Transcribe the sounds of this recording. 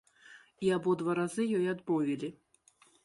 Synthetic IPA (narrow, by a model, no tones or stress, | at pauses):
iabɔd̪vaɾazɨjɔjad̪bɔvʲilʲi